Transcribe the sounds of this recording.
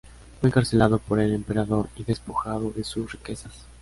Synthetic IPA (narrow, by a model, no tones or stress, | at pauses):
fweeŋkaɾse̞laðo̞po̞ɾe̞le̞mpe̞ɾaðo̞ɾiðe̞spo̞xaðo̞ðe̞susrike̞sas